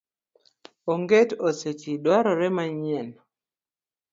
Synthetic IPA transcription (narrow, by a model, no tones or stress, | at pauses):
oŋɡetoset͡ʃidwaɾɔɾɛmaɲɛn